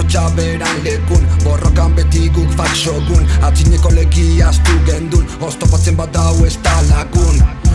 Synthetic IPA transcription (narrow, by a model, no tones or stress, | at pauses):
t͡ʃaβeɾanlekunbo̞rokambet̪iɣufaksoɣunat͡siɲeko̞leɣiast̪uɣend̪unost̪opat͡sembat̪̚d̪awest̪alaɣun